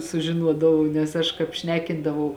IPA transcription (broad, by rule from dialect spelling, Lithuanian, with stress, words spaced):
sʊʒʲɪˈnuɔdɐʋɐʊ nʲɛs ˈɐʃ ˈkɑːp ˈʃʲnʲæːkʲɪndɐʋɐʊ